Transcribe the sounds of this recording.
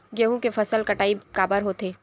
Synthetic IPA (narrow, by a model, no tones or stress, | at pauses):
ɡeːɦũkefɐsəlkɐʈaːikaːbəɾɦoːt̪eː